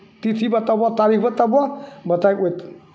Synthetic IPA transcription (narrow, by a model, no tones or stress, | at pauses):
t̪it̪ʰibat̪abat̪aɾikbat̪ababət̪ajkojt̪